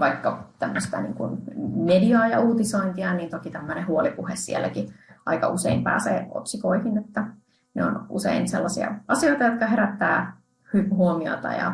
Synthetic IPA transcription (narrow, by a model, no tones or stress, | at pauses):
ʋɑikːɑt̪æmːøst̪æ̰nḭːŋkṵnmediɑːjɑuːt̪isoint̪iɑniːnt̪okit̪æmːønehuolipuhessielːækiʔɑ̰ikɑ̰useimpæ̰ːsḛːo̰t̪sikoihinet̪ːæ | neo̰nʔusḛinsḛlːɑsiɑ̰ɑsioit̪ɑjot̪kɑɦeɾæt̪ːæː | hypɦuomio̰t̪ɑ̰jɑ̰